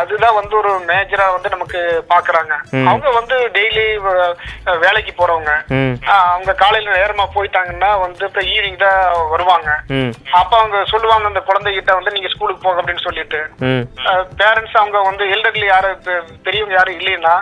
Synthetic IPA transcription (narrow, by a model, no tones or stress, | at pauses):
ɐðɯt̪ãːʋɐnd̪ɯɔɾɯmeːd͡ʒɐɾaːʋɐnd̪ɯnɐmɐkːɯpaːɾkɯɾaːŋɡɐɐʋɐŋɡɐʋɐnd̪ɯɖɛjli | ʋeːɭɐkːipoːɾɐʋɐŋɡɐ | ɐʋɐŋɡɐkaːlɐjɪlɐneːɾɐmaːpoːjɪʈ̪ːaːŋɡɐnːaːʋɐnd̪ɯɐpːɾɐiːʋɪŋɡt̪ãːʋɐɾɯʋaːŋɡɐɐpːoːɐʋɐŋɡɐsɔlːɯʋaːŋɡɐɐnd̪ɐkʊɻɐnd̪ɛkɪʈːɐʋɐnd̪ɯniːŋɡɐskuːlɯkːɯ̥poːɣɐpːɐɽɪnːɯsɔlːɪʈːɯ | peːɾɛɳʈsaːɐʋɐŋɡɐʋɐnd̪ɯɛlɖɐɾɪljaːɾɯp̪ɛɾɪjɐʋɐŋɡɐjaːɾɯ̃ɪlːɛjnːaː